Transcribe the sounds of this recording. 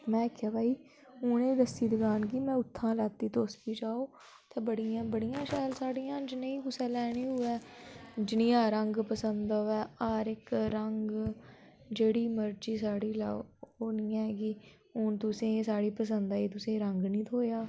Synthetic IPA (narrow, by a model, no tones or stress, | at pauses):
mɛ̃ːkʰːjaːbʱaːiː | ʊːnẽːd̪əsiːd̪ɪɡaːnɡiːmɛ̃ːʊt̪ʰːãːlɛːt̪ːiːt̪oːspiːd͡ʒaːoː | t̪eːbəɽijãːbəɽijãːʃaːlsaːɽijãːd͡ʒɪnẽiːkʊsɛ̃ːlɛːɽ̃iːɦʊːɛːd͡ʒɪnĩːãːɾəŋɡpəsənd̪oɛːaːɾɪkɾəŋɡ | d͡ʒeːɽiːməɾt͡ʃiːsaːɽiːla̰ːoːniːɛ̃ːɡiː | ʊnt̪ʊsẽːsaːɽiːpəs̬ənd̪aːiːt̪ʊsẽːɾəŋɡnĩːt̪ʰoːjaː